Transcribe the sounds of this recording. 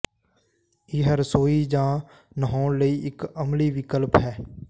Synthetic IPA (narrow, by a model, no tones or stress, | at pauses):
ɪɦəɾsoːiːd͡ʒãː | nəɦõːnləiːɪkəmliːʋɪkəlpɦɛː